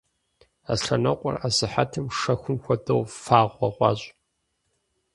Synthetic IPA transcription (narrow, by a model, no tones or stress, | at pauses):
a̰sɬɐnɐqʷʼʊ̰razɨħatʰɨmʂɐxʷʊmxʷɐdɐwfaːʁʷɐʁʷɑ̰ːɕʼ